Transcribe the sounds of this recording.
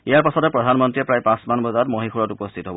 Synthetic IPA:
ijaɹpasɔtɛpɹɔdʱanmɔntɹiɛpɹajpãsmanbɔzatmɔɦixuɹɔtupɔstʰitɔɦɔbɔ

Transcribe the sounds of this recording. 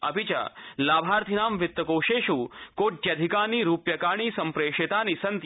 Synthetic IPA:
ɐbʱit͡ʃɐ̰laːbʱaːɾt̪ʰinaːmʋɪt̪ːɐkoːʃeːʃukoːʈjɐd̪ʱikaːniɾuːpjɐkaːɳ̃iːsɐmpɾeːʂit̪aːnisɐnt̪

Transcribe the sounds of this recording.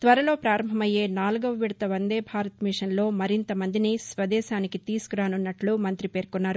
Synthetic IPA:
t̪ʋɐɾɐlo̞ːpɾaːɾɐmbʱɐmɐjːe̞ːnaːluɡɐʋɐʋiɽɐt̪ɐʋɐnd̪eːbʱaːɾɐt̪miʂɐnlo̞ːmɐɾint̪ɐmɐnd̪inisʋɐd̪ɛːʃaːnikit̪iːsu̥kuɾaːnunːɐʈlumɐnt̪ɾipe̞ːɾkunːaːɾu

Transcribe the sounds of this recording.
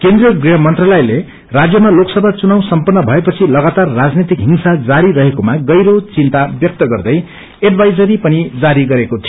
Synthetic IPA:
kẽnd̪rijʌɡriɦʌmʌnt̪ralʌjle | rad͡zjʌmaloksʌbʱat͡sunaw̃sʌmpʌnːʌbʱʌepʌt͡sʰilʌɡat̪arːad͡znet̪ikɦimsad͡zaɾiɾʌɦekomaɡʌjɾot͡sint̪abjʌk̚t̪ʌɡʌrd̪ʌj | eɖbʱajd͡zʌɾipʌnid͡zaɾiɡʌɾekot̪ʰi

